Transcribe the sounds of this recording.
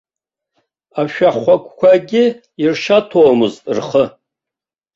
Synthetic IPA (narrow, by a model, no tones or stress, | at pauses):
aʃᶣaχʷakʷʰʼkʷʰaɡʲɪ | irʃatʰoːmɨzʼrχə